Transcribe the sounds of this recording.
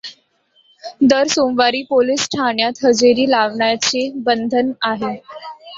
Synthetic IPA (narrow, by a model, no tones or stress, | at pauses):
d̪əɾsomʋaɾiːpolisʈʰaɳjat̪ɦəd͡zeɾiːlaʋɳjt͡sebənd̪ʱənaɦe